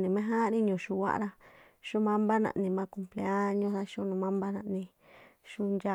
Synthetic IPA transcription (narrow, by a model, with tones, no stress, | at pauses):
nĩ˨mẽ˦ɦã˦˧nĩ˦ɲũ˨ʃu˧wa̰˦ʔɾa˧ | ʃũ˦mã˦mba˦nã̰˧ʔnĩ˧mã˧˦ku˧mple˧a˦ɲõ˦˧ða˧ʃũ˦nũ˧mã˦mba˦nã̰˧ʔnĩ˧ | ʃu˦nd͡ʒa˦˧